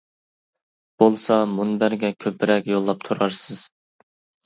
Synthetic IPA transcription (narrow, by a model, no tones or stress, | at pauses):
b̥olˠsɑmunbæɾɡʲɛkʲʰøpɪɾɛkʲjolˠːɑp̚t̪ʰuɾɑɾsɨz̥